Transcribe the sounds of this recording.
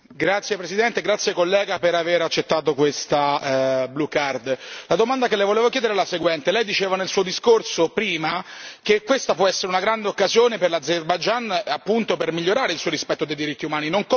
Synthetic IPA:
ɡɾat̪sːjepɾesid̪ɛnt̪eɡɾat̪sːjekolːɛːɡapeɾaveɾat͡ʃːet̪ːaːt̪okwest̪ablukard̪lad̪omand̪akelːejvoleːvok̬jɛd̪eɾalaseɡwɛnt̪elɛjd̪it͡ʃeːvanelsuːod̪iskorsopɾiːmakekːwest̪apwɔɛsːeɾeunaɡɾand̪eokːazjoːneperlad̪zerbajd͡ʒanapːunt̪opermiʎːoɾaːɾeilsuːoɾispɛt̪ːod̪ejd̪iɾit̪ːiumaːninoŋk

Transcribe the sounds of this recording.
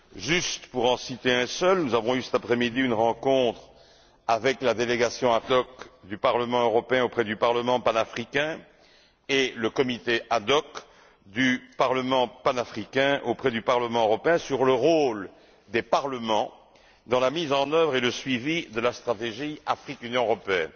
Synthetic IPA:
ʒyst̪puʁɑ̃sit̪eɛ̃sœlnuzavɔ̃ysɛ̥t̪apχɛmid̪iynʁɑ̃kɔ̃t̪χ | avɛklad̪eleɡasjɔ̃ad̪ɔkd̪ypaʁləmɑ̃øʁɔpeɛ̃opχɛd̪ypaʁləmɑ̃panafχikʲɛ̃ | eləkɔmit̪eʔad̪ɔk | d̪ypaʁləmɑ̃panafχikʲɛ̃ʔopχɛd̪ypaʁləmɑ̃øʁɔpeɛ̃syʁləʁol | d̪epaʁləmɑ̃ | d̪ɑ̃lamizɑ̃nœvʁeləsɥivid̪əlast̪χat̪eʒiafχikynjɔ̃øʁɔpeɛ̰n

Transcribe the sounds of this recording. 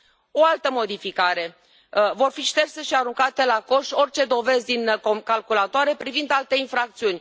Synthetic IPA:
o̞alt̪əmo̞d̪ifikaɾe̞ | vo̞rfiʃt̪e̞rse̞ʃiaɾuŋkat̪e̞lako̞ʃo̞rʲt͡ʃe̞d̪o̞ve̞zd̪inokalkulat̪oaɾe̞pɾivind̪alt̪e̞infɾak̚t̪siunʲ

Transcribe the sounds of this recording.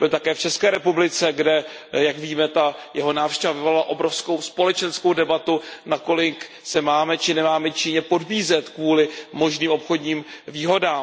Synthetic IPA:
b̥ɪlt̪akɛːft͡ʃɛskɛːɾɛpublɪt͡sɛɡdɛ | jakviːmɛt̪ajɛɦo̞naːfʃcɛvavɪvolalaʔo̞bɾo̞fsko̞wspo̞lɛt͡ʃɛnskowdɛbat̪unako̞lɪk | sɛmaːmɛt͡ʃɪnɛmaːmɛt͡ʃɪɲɛpo̞dbiːzɛt̪kvuːlɪmo̞ʒniːmʔopxo̞dɲiːmviːɦo̞daːm

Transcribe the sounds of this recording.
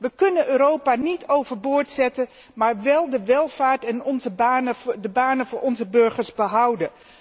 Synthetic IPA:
ʋəkɵnənøːɾowpaːnitʰowvəɹbʊːɹtsɛtən | maːɹʋɛlˠdəʋɛlˠv̥aːɹtɛnɔnzədəbaːnənvʊːɹʔɔnzəbɵɹχəɹzbəɦʌwdən

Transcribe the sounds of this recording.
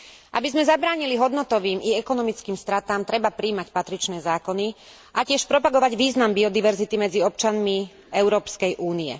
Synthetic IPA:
ʔa̰bizmɛzabɾaːɲiliɦɔd̪nɔt̪ɔʋiːmiɛkɔnɔmit͡skiːmst̪ɾat̪aːmt̪ɾɛbapɾiːmacpat̪ɾit͡ʃnɛːzaːkɔni | ʔacɪɛʃpɾɔpaɡɔʋaɟʋiːznambiɔd̪iʋɛɾzit̪imɛd͡ziɔp̚t͡ʃanmi | ɛʊɾɔːpskɛjʔuːniɛ̰

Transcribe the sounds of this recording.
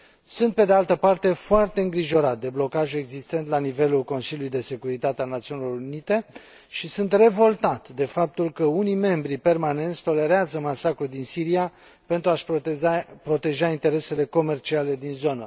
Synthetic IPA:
sunt̪̚pe̞d̪ealt̪əpart̪e̞foart̪e̞ɨŋɡɾiʒo̞ɾat̪̚d̪e̞blo̞kaʒue̞ɡzist̪e̞nt̪lanive̞lulko̞nsiljulujd̪e̞se̞kuɾit̪at̪ealnat̪siunilo̞ɾunit̪e̞ | ʃisunt̪re̞vo̞lt̪at̪ʲd̪e̞fap̚t̪ulkəunijme̞mbɾipe̞rmane̞nt̪sʲt̪o̞le̞ɾeazəmasakɾud̪insiɾia | pe̞nt̪ɾuaʃ | pɾo̞t̪e̞ʒaint̪e̞ɾe̞se̞le̞ko̞me̞rt͡ʃiale̞d̪inzo̞nə

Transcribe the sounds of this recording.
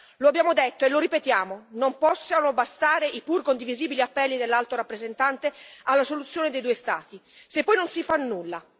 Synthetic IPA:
loabːjaːmod̪et̪ːoeloɾipet̪jaːmonompɔsːanobast̪aːɾeʔipurkond̪iviziːbiliapːɛlːid̪elːalt̪oɾapːɾezent̪ant̪ealːasolut̪sːjoːned̪ejd̪uest̪a̰ːt̪isepːɔjnonsifanːulːa

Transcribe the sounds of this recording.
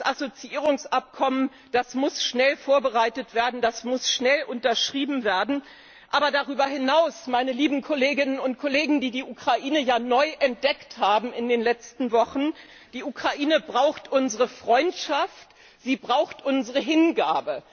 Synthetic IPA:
sʔazot͡siʔiːʁ̞ʊŋsʔap̚kʰɔmən | d̥asmʊsʃnɛlfoːɐbəʁaɪtətv̥eːɐdn̩dasmʊsʃnɛlʔʊntɐʃʁ̥iːbm̩veːɐdn̩ | ʔaːbɐdaʁyːbɐɦɪnaʊsmaɪnəliːbm̩kʰoleːɡɪnənʊnt̚kʰoleːɡŋ̩diːdiːʔukʁ̥aʔiːnəjaːnɔʏʔɛnt̚d̥ɛkthaːbm̩ɪndeːnlɛt͡stn̩vɔχn̩ | d̥iːʔukʁ̥aʔiːnəbʁaʊxtʔʊnzəʁəfʁ̥ɔʏntʃaft | z̥iːbʁaʊxtʔʊnzəʁəɦɪnɡaːbə

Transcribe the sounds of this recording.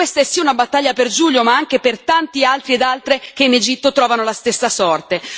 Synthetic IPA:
west̪aɛsːiːaunabat̪ːaʎːaperd͡ʒuʎjomaaŋk̟epert̪ant̪ialt̪ɾied̪alt̪ɾek̟eined͡ʒit̪ːot̪ɾɔːvanolast̪esːasɔrt̪e

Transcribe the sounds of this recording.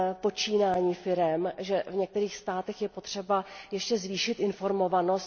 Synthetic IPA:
po̞t͡ʃiːnaːɲiːfɪɾɛmʒɛvɲɛk̚t̪ɛɾiːxst̪aːt̪ɛxjɛpo̞t̪r̝̥ɛbajɛʃcɛzviːʃɪt̪ɪnfo̞ɾmo̞vano̞st̪

